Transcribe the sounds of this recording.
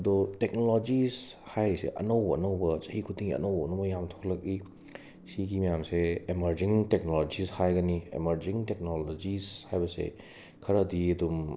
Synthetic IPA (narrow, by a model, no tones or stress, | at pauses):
ɐd̪ɔtek̚nolod͡ʒishajɾesḛʔɐ̰nowbɐɐ̰nowbɐzɐɦikʰudiŋiɐ̰nowbɐːnowbɐjamtʰo̥klɐk̚i | siɡimɐjamseemɐɾziŋtek̚nolod͡ʒishajɡɐniḛmɐɾziŋtek̚nolozishajbɐsḛ | kʰɐɾɐːdiɐdum